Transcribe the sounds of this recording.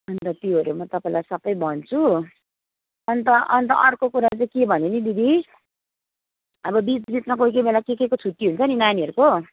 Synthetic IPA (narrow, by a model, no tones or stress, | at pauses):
ʌnt̪ʌt̪iɦoɾjemʌt̪ʌpaĩlajsʌbʌjbʱʌnt͡sʰu | ʌnt̪ʌʔʌnt̪ʌ̰ʔʌrkokuɾat͡saĩkebʱʌnenibid̪ʱi | ʌbʌbit̪d͡zit̪nʌkoikemelakekekot͡sʰut̪ːiɦunt͡sʰʌninaniʌɾuko